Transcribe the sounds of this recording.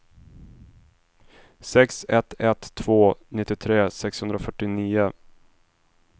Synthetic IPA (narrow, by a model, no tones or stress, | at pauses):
sɛksɛt̪ʰɛt̪ʰːv̥oːnɪt̪ːɪt̪ʰɾeːsɛkshɵnd̪ɾafœʈːɪniːʊ